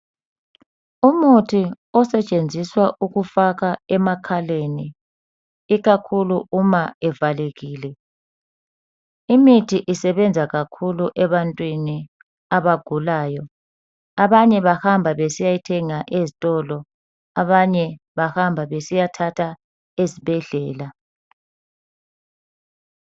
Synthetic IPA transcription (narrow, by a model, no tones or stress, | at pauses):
umutʰi | ɔsɛt͡ʃʼend͡zʱiswaʔuɣufaɣaɛmakʰaleni | iɣakʰuluʔumaɛvaleɣiːlɛ | imitʰiʔisɛβɛnd͡zʱaɣakʰuluʔɛβantʼwini | aβaɡ̥ʱulaːjɔ | aβaɲɛβahambʱaβesijajitʰɛŋaʔezitʼɔlɔ | aβaɲɛ | βahambʱaβesijatʰatʰa | ezibʱɛɮɛːla